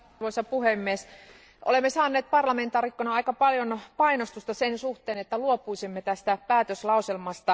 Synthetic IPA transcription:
ʋoisɑpuhemːies | ʔo̰lemːesɑːnːeːt̪̚pɑrlɑment̪ɑːrikːonɑɑikɑpɑljonpɑinost̪ust̪ɑsensuht̪eːnet̪ːæluopuisimːet̪æst̪æpæːt̪øslɑuselmɑst̪ɑ

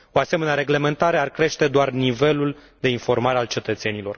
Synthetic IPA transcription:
o̞ase̞me̞neaɾe̞ɡle̞me̞nt̪aɾearkɾe̞ʃt̪e̞d̪oarnive̞lul | d̪e̞info̞rmaɾe̞alt͡ʃe̞t̪ət̪se̞nilo̞r

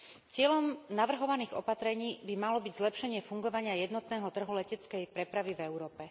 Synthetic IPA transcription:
t͡sɪɛʎɔmnaʋr̩ɦɔʋaniːɣɔ̰pat̪ɾɛɲiːbimalɔbiɟzlɛpʃɛɲɪɛfuŋɡɔʋaɲɪajɛd̪nɔt̪nɛːɦɔt̪r̩ɦulɛcɛt͡skɛjpɾɛpɾaʋivɛʊɾɔːpɛ

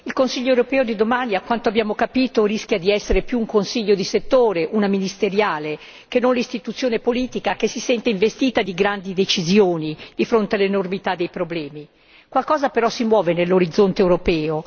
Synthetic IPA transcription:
ilkonsiʎːoewɾopɛːod̪id̪omaniakwant̪oabːjaːmokapiːt̪oɾiskʲjad̪iɛsːeɾepjuːŋkonsiʎːod̪iset̪ːoːɾeʔunaminist̪eɾjaːle | kenːonlist̪it̪ut̪sːjoːnepoliːt̪ikakesːisɛnt̪eiɱvest̪iːt̪ad̪iɡɾand̪id̪et͡ʃizjoːnid̪̥ifɾont̪ealːenormit̪ad̪ːejpɾoblɛːmi | kwalkɔːzapeɾɔsimwɔːvenelːoɾid̪zːont̪ewɾopɛːo

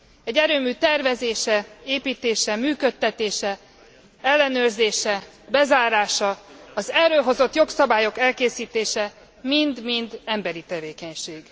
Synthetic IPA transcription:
ɛɟːɛɾøːmyːt̪ɛrvɛzeːʃɛeːpiːt̪eːʃɛmyːkøt̪ːɛt̪eːʃɛ | ɛlːɛnøːrzeːʃɛ | bɛzaːɾaːʃɒɒzɛrøːɦo̞zo̞t̪jo̞ksɒbaːjo̞kɛlkeːsiːt̪eːʃɛ | mind̪mind̪ɛmbɛɾit̪ɛveːkɛɲʃeːɡ̥

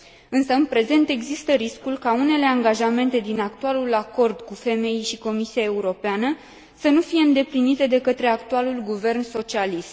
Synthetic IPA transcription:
ɨnsəɨnpɾe̞ze̞nt̪e̞ɡzist̪əɾiskulkaune̞le̞aŋɡaʒame̞nt̪e̞d̪inakt̪ualulako̞rd̪kufe̞me̞jijʃiko̞misiae̞uɾo̞peanə | sənufije̞ɨnd̪e̞plinit̪e̞d̪e̞kət̪ɾe̞akt̪ualulɡuve̞rnso̞t͡ʃialist̪

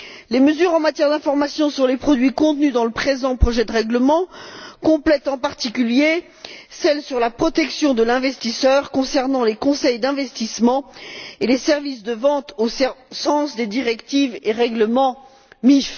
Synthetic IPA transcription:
leməzyʁɑ̃mat̪jɛʁd̪ɛ̃fɔʁmasjɔ̃syʁlepχɔd̪ɥikɔ̃t̪nyd̪ɑ̃ləpχezɑ̃pχɔʒɛd̪əʁɛɡləmɑ̃kɔ̃plɛt̪ɑ̃paʁt̪ikʲylje | sɛlsyʁlapχɔt̪ɛksjɔ̃d̪əlɛ̃vɛst̪isœʁkɔ̃sɛʁnɑ̃lekɔ̃sɛjd̪ɛ̃vɛst̪ismɑ̃elesɛʁvisd̪əvɑ̃t̪ossɑ̃sd̪ed̪iʁɛkt̪iveʁɛɡləmɑ̃ | mif

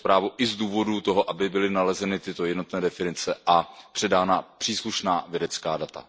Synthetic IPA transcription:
pɾaːvuʔɪzduːvo̞dut̪oɦo̞ʔabɪbɪlɪnalɛzɛnɪt̪ɪt̪o̞jɛdno̞t̪nɛːdɛfɪnɪt͡sɛʔapr̥ɛdaːnapr̥iːsluʃnaːvjɛdɛt͡ska̰ːdat̪a̰

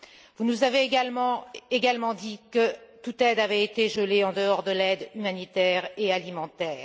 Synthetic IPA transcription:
vunuzaveːɡalmɑ̃eɡalmɑ̃d̪ikət̪ut̪ɛd̪avɛet̪eʒəleɑ̃d̪əɔʁd̪əlɛd̪ymanit̪ɛʁealimɑ̃t̪ɛːʁ

